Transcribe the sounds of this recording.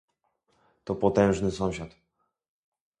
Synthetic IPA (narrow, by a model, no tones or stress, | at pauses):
t̪ɔpɔt̪ɛ̃w̃ʐnɘsɔ̃w̃ɕat̪